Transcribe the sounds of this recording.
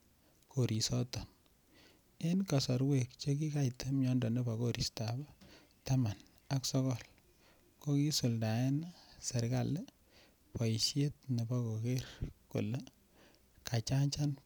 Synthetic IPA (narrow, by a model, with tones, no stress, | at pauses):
kʰo˨ɾi˨sɔ˦tɔ˨n | e˦nka˨sɔ˨ɾwe˦k̚t͡ʃe˦ki˦ka˦jte˦mɲɔ˦ndɔ˨ne˦ba˨ko˦ɾi˨staba˦ | ta˦ma˨n | a˦ksɔ˦kɔ˦l | ko˦ki˦su˨lda˨ɛ˦nase˨ɾka̰˦l | pɔ˨ʃje˦t̚ne˨ba˦ko˨ke˦rko̰˨le˦ | ka˨t͡ʃa˦ɲt͡ʃa˦n